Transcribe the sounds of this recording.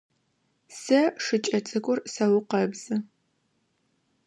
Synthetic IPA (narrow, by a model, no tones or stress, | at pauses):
sɐʂɨt͡ʃʼɐt͡sʼɨkʷʼʊrsɐwʊqɐbz̥ɨ